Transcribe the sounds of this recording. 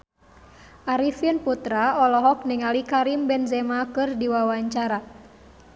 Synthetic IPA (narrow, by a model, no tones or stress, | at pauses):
ʔaɾifinput̪ɾaɔlɔɦɔk̚niŋalikaɾimbɛnzɛmakɨrdiwawaɲt͡ʃaɾa